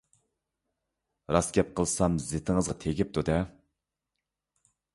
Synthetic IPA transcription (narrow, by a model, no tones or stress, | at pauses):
ɾɑsɡʲɛp̚qʰəlˠsɑmzet̪ʰɪŋəzʁɑt̪ʰeɡʲɪp̚t̪ud̪ɛ